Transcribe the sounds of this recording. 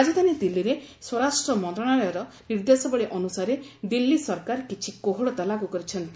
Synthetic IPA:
ad͡ʒɔd̪anid̪ilːiɾeswɔɾasʈɾɔmɔnt̪ɾɔɽ̃aɭɔjɔɾɔniɾd̪esɔbɔɭiʔɔnusaɾed̪ilːisɔɾkaɾkit͡ʃʰikoɦɔɭɔt̪alakukɔɾit͡ʃʰɔnt̪i

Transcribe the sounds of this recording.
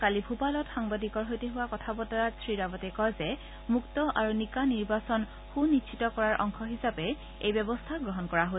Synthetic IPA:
kalibʱupalɔtxaŋbadikɔɹɦojteɦʊwakɔtʰabɔtaɹatsɹiɹabɔtɛkɔjzɛ | muktɔʔaɹunikaniɹbasɔn | xunitʃʰitɔkɔɹaɹʔɔ̰ŋkʰɔɦisapɛ | ejbɛbɔstʰaɡɹɔɦɔnkɔɹaɦo

